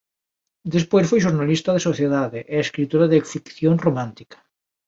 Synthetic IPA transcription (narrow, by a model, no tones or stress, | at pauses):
d̪espojsfojʃuɾnalist̪ɐðesoθjeðaðɪʔeeskɾit̪oɾaðefikθjoŋromãnt̪ikɐ̥